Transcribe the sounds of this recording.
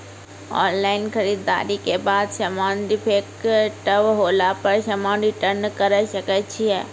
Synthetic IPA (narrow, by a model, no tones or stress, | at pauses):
ɔ̰ːnlaːɪnxɐɾiːd̪a̰ːɾikebaːd̪ʃɐmãːnɖ̪ipʰeːkʈɐʋɦoːlapɐɾʃɐmãːnɖiʈɐɾnkɐɾəʃɐkət͡ʃʰiɛ̰ː